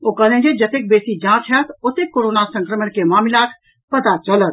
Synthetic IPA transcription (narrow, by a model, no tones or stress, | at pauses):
okəlẽnd͡ʒed͡ʒɐt̪ek̚beːsid͡ʒãːt͡ʃʰɦət̪ot̪ekːoːɾoːnasə̃ŋkɾəməɳkemaːmilaːt̪ʰ | pɐt̪at͡ʃələt̪̚